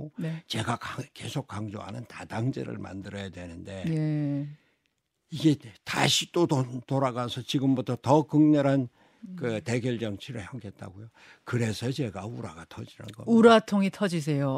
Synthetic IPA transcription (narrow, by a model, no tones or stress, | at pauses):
ot͡ɕe̞ɡakake̞sʰok͈aŋd͡ʑo̰ɦa̰nɯntadaŋd͡ʑḛɾɯ̰ɭma̰ndɯɾʌjadwe̞nɯnde̞e | iɡe̞ta̰ɕʰit͈otoɾaɡasʰʌt͡ɕiɡɯmbutʰʌtʌkɯŋɲʌɾɦan | kɯte̞ɡjʌɭd͡ʑʌŋt͡ɕʰiɾɯɭhjʌŋɡet̚t͈a̰ɡojo | kɯɾe̞sʰʌt͡ɕe̞ɡauɾaɡatʰʌd͡ʑinɯ̰nɡʌuɾatʰoŋitʰʌd͡ʑis̬ʰe̞jo